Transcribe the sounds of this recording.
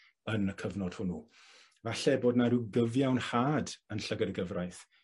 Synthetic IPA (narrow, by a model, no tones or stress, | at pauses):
ənəkʰəvnɔd̥hʊnu | vaɬɛboːdnaɾuɡəvjawnhaːdənɬəɡəɾəɡəvrajθ